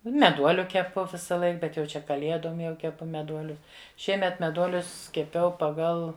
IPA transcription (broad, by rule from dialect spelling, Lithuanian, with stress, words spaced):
mʲɛˈduɔlʲʊ kʲɛˈpʊ ʋʲɪsɐˈlˠɐɪk ˈbʲɛt jɛʊ ˈt͡ʃʲɛ kɐˈlʲiɛdoːm jɛʊ kʲɛˈpʊ mʲɛˈduɔlʲʊ ˈʃʲiɛmʲɛt mʲɛˈduɔlʲʊs kʲɛˈpʲɛʊ pɐˈɡɐlˠ